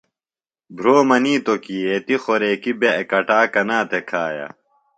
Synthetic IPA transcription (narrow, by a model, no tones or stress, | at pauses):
bʱɾoːmɐniːt̪okiːet̪ixoɾeːkibeekɐʈaːkɐnaːt̪ekʰaːja̰